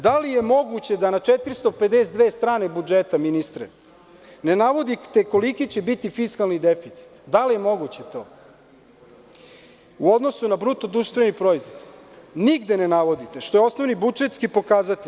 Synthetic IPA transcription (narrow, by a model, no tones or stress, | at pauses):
d̪alije̞mo̞ɡut͡ɕe̞d̪anat͡ʃet̪iɾist̪ope̞d̪eːsd̪ʋeːst̪ɾaːnebud͡ʒet̪aminist̪ɾḛ | ne̞naʋo̞d̪it̪eko̞likit͡ɕebit̪ifiskalnid̪efit̪si̥t̪d̪alije̞mo̞ɡut͡ɕet̪o̞ː | uo̞d̪no̞sunabɾut̪o̞d̪ɾuʃt̪ʋe̞nipɾo̞izʋod̪niɡd̪enenaʋo̞d̪it̪eʃt̪o̞jeo̞snoʋnibud͡ʒet̪skipo̞kaːzat̪i